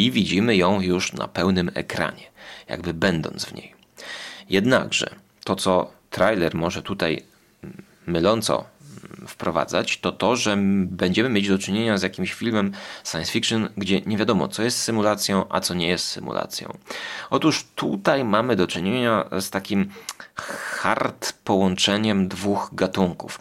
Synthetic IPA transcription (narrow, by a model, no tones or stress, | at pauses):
ivʲid͡ʑimɘjɔ̃w̃juʂna̰pɛwnɘmɛ̰kɾa̰ɲɛja̰ɡbɘbɛnd̪ɔ̰nzvɲḛj | jɛd̪na̰ɡʐɛ̰ | t̪ɔt̪sɔt̪ɾajlɛɾmɔʐɛt̪ut̪aj | mɘlɔnt̪sɔ̰fpɾɔva̰d̪za̰t͡ɕt̪ɔt̪ɔʐɛbɛɲd͡ʑɛmɘmʲed͡ʑd̪ɔt͡ʂɘɲeɲazjakʲimɕfʲilmɛmsajɛ̃nsfʲikʂɨnɡd͡ʑɛɲevʲjad̪ɔmɔ̰t̪sɔjɛst̪sɘmulat̪sʲjɔ̃w̃ʔa̰t̪sɔɲɛjɛst̪sɘmṵlʔa̰t̪sʲjɔ̰̃w̃ɔt̪uʂt̪ut̪ajmamɘd̪ɔt͡ʂɘɲeɲast̪akʲim | xaɾt̪pɔwɔnt͡ʂɛɲɛmd̪vuɣɡat̪uŋkuf